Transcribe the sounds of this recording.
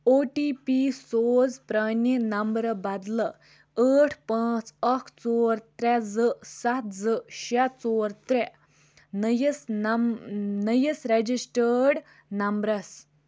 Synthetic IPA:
oʈipisod͡zpɾəninəmbɾbad̪lə | əʈʰpãt͡səkʰt͡soɾt̪ɾad͡zəsat̪ʰd͡zəɕat̪t͡soɾt̪ɾɛ | nəjəsn | nəjəsɾed͡ʑisʈəɽ | nɐmbɾas

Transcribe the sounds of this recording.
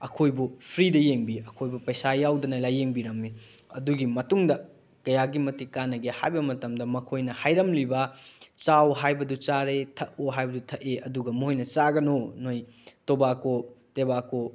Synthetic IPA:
ɐkʰojbupʰɾidɐjeŋbiɐkʰojbupɐjsajawdɐnɐlajeŋbiɾɐmːi | ɐ̰duɡimɐtuŋdɐ | kɐjaɡimɐtikanɐɡeha̰jbɐmɐtɐmdɐmɐkʰojnɐhajɾɐmlibɐt͡ʃawɦajbɐdut͡ʃaɾetʰɐʔoɦajbɐdutʰɐʔeɐduɡɐmoojnɐt͡ʃaɡɐnonoj | tobakotebako

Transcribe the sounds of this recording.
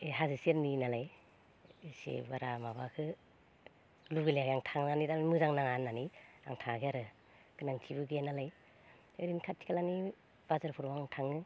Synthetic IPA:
eɦazɯseɾninalaj | isḛbaɾamabakʰɯ | luɡɯleaɡaŋtʰaŋnanidammɯzaŋnaŋanːania̰ŋtʰaŋaɡʰiaɾɯ | ɡɯnaŋtʰibɯɡeenalaj | eɾinkʰatʰːi̥kʰalani | b̥azaɾpʰuɾbaŋtʰaŋɯ

